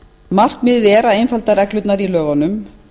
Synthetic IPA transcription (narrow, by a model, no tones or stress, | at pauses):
mar̥kmɪððɛːɾaejnfalt̪aɾɛklʏt̪naɾilœːɣanʏm